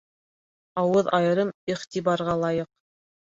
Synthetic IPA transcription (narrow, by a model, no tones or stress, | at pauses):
ɑwɤðɑjɤ̆ɾɤmiχt̪iβɑɾʁɑlˠɑjɤq